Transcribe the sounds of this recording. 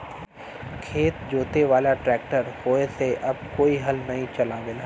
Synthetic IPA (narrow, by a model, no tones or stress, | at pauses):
kʰeːt̪d͡ʒoːt̪eʋaːlaʈɾɛːk̚ʈəɾhoːeseʔɐbkoːiɦɐlnɐɦĩt͡ʃɐlaːʋel